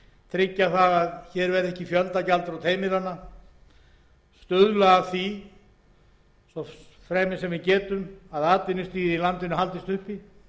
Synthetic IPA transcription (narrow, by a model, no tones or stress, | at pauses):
t̪ʰɾɪcːaθaɣaðçɛɾvɛɾðɛhcɪfjœlt̪acalt̪ɾawt̪ʰeːjmɪɾanːa | st̪ʏðlaɣaθi | sɔ | fɾɛːmɪsɛmvɪcɛːt̪ʏmaðaːt̪ɪnːɪst̪iːðilant̪ɪnʏɦalt̪ɪst̪ʏhpi